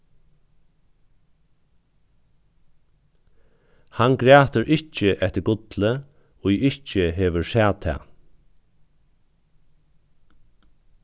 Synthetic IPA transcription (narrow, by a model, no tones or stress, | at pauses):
hanɡɾæːt̪əɾʔɪht͡ʃəʔɛt̪əɾɡʊt̪lə | ɔiɪht͡ʃəɦeːʋəɹsæːt̪ʰɛ̰ː